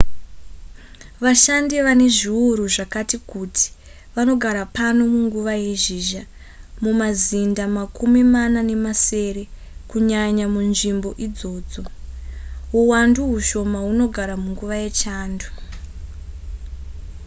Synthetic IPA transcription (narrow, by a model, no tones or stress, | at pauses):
ʋaʃandiʋane̞ʐiuɾuʐakatikutʰi̥ | ʋano̞ɡʱaɾapano̞muŋɡuʋaje̞ʒiʒa | mumazindamakʰumimanane̞mase̞ɾe̞ | kuɲaɲamunʐimbo̞ʔid͡zo̞ːd͡zo̞ | ɦuwanduɦuʃo̞maɦuno̞ɡʱaɾamuŋɡuʋaje̞t͡ʃaːndu